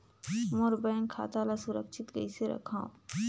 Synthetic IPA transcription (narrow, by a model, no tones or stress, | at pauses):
moɾbɛːŋkʰːa̰ːt̪alasʊɾəkʃʰɪt̪ɡə̰iseɾɐ̰kʰãːõ̰